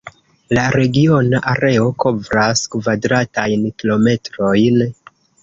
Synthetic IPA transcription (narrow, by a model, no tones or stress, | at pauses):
laɾe̞ɡio̞naʔaɾe̞o̞ko̞vɾaskvadɾatajnkilo̞me̞tɾo̞jn